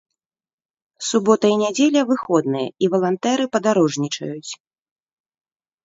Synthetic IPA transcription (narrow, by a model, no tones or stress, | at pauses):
subɔt̪ɐinʲad͡zʲelʲɐvɨxɔd̪nɨjɐ̰ivɐlˠant̪ɛɾɨpɐd̪aɾɔʐnʲit͡ʂɐ̰jut͡sʲ